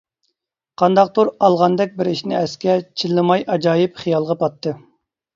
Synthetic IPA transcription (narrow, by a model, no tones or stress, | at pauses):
qʰɑnd̪ɑq̚t̪uɾɑlˠʁɑnd̪ɛkʲbɪɾiʃnɪɛskʲɛt͡ʃʰilːɨmɑjʔɑd͡ʒɑːjɪpχijɑlˠʁɑpʰɑt̪ːɨ